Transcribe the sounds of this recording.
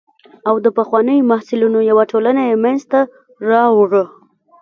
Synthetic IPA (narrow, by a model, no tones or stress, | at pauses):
awd̪əpaxwɑnəjomahsɪlunojawaʈʰolanajemanzt̪a | ɾɑwʐə